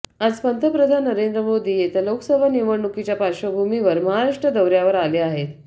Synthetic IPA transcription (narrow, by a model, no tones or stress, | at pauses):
ad͡zpənt̪ʰəpɾəd̪ʱanːəɾend̪ɾəmod̪ʱiːjet̪aloksəbʱaniʋəɳɳukit͡ɕjapaɕəbʱumiʋəɾməɦaɾaʂʈɾəd̪əwɾjaʋəɾaleaɦet̪